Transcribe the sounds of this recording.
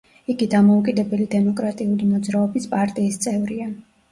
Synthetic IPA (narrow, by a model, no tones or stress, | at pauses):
iɡid̪amɔukʼid̪ɛbɛlid̪ɛmɔkʼɾat̪ʼiulimɔd̪zɾaɔbispʼaɾt̪ʼiːst̪sʼɛvɾia